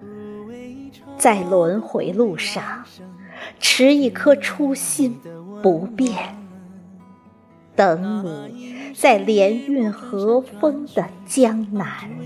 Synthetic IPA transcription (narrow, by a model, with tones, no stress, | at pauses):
t͡sa˥˩ɪlwə˧˥nxwe˧˥ɪlu˥˧ʂɑ˥˩ŋ | ʈ͡ʂʰɻ̩˧˥i˧˩kʰɤ˥˩ʈ͡ʂʰu˥ɕi˥npu˧˥pjɛ˥˩n | t̪ɤ˧˥ŋni˨˩˦t͡sa˥˩ɪljɛ˧˥ny˥˩nxɤ˧˥fɤ˥ŋd̪ə˨t͡ɕjɑ˥ŋna˧˥˦n